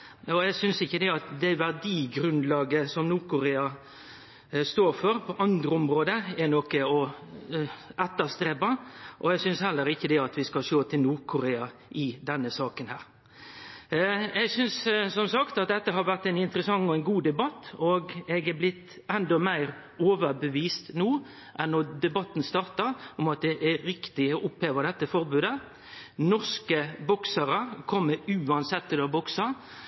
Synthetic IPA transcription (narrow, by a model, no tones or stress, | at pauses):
ɔɛɡsʏnsɪçːəd̪ɛɑt̪d̪ɛʋæʁd̪iːɡɾʉnd̪lɑːɡəsɔmnuːʁkʊɾeːɑ | st̪oːɾfɔɾpʰɔʔɑnd̪ɾəɔmɾoːd̪əɛnɔkəɔ | ʔɛt̪ːəst̪ɾeːpɑʔɔɛɡsʏnshɛlːəɾɪçːəd̪ɛɑt̪ʋɪskɑlʃoːt̪ʰɪlnuːɾkʰʊɾeːɑʔɪd̪ɛnːəsɑːkənhæːɾ | ɛɡsʏnssɔmsɑkt̪ɑt̪̚d̪ɛt̪ːəɦɑɾʋæʁt̪æɪnɪnt̪əɾəsɑŋːɔɛɪnɡuːd̪ɛbɑt̪ːɔɡɛɡæblɪt̪ | ɛnd̪ɔmæɪʁ | oːʋəɾbəʋiːst̪nuː | ʔɛnːɔd̪ɛbɑt̪ːnst̪ɑːʁt̪əɾɔmɑt̪̚d̪ɛʔæɾɪkt̪ɪɔʔʊpheːʋəd̪ɛt̪ːəfɔʁbʉːd̪ə | nɔʁskəbɔksəɾəkʰɔmːəʉːɑnsɛt̪ːɪlɑbɔksɑ